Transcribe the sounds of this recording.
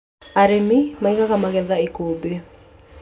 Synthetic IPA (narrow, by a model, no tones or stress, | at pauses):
aɾemimaiɣaɣamaɣɛðaikobe